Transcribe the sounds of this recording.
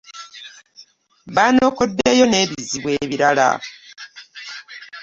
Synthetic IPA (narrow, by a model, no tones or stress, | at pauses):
βaːno̞ːkodːe̞jo̞ne̞ːβiziβwe̞ːβiɾala̰